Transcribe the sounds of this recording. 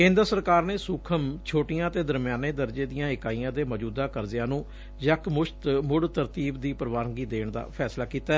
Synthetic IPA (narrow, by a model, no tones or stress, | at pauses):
kẽːnd̪ɾsəɾkaːɾneːsʊkʰəmt͡ʃʰoːʈɪjãːət̪eːd̪əɾmɪjaːneːd̪əɾd͡ʒeːd̪ijãːɪkaːiːjãːd̪eːməd͡ʒuːd̪aːkəɾd͡ʒ̪ɪjãːnũː | d͡ʒəkmʊʃt̪mʊɽt̪əɾt̪iːbd̪iːpəɾʋaːɾəɡiːd̪eːɳd̪a̰ːpʰɛːslaːkiːt̪aː